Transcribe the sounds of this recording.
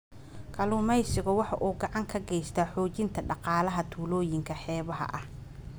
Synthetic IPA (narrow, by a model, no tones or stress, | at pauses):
kʰɐlʊmɛjsɪɣɔwɑħɑʔuːɡɑʕɑŋkʰɐɡɛjst̪ʰɐħɔːt͡ʃɪnt̪ʰɐɖɑqɑːlɐɦɐt̪ʰuːlɔːjɪŋkʰɐħɛːβɐɦɐ̰ʔɐh